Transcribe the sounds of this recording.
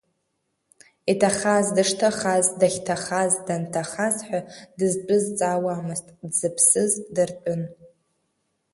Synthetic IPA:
itʰaχazdɨʂtʰaχazdaχʲtʰaχazdantʰaχazħʷᶣadɨzpʼɨzt͡sʼawaːmɨztʼdzɨpʰsɨzdɨrt͡pʼʊn

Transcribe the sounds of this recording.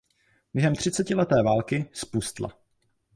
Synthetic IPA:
b̥jɛɦɛmt̪r̝̥ɪt͡sɛcɪlɛt̪ɛːvaːlkɪspust̪la̰

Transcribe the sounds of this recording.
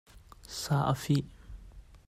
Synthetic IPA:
saʔəfiʔ

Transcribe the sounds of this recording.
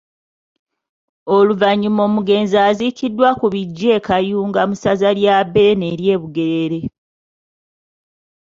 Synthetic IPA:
o̞luvaɲːimo̞ːmuɡe̞ːnzaːzikidːwakuβiɟːe̞ːkajuːŋɡamusazaljabene̞ːɾje̞ːβuɡe̞ɾeɾe̞

